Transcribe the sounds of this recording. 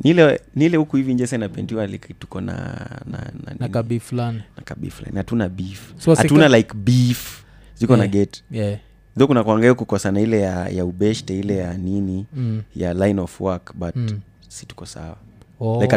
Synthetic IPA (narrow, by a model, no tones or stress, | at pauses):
nilɛnilɛhukuivind͡ʒɛsainapɛndiwalaktu̥kɔna̰na̰na̰ninbiflaninakabḭfla̰nihatunabifhatunalajkbif | zikɔnaɡɛt | ðɔkunakwaŋɡaliakukɔsanailɛjajaubɛʃtɛilɛjaninijalajnɔfwakbat | si̥tu̥kɔsa̰waajk